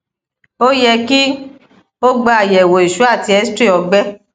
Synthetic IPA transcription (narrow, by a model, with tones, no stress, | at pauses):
o˦jɛ˧ki˦ | o˦ɡ͡ba˧a˨jɛ˨wo˨i˨ʃu˨˦a˦˨ti˧˦ɛ˨˦stɾi˦˨ɔ˧ɡ͡bɛ˦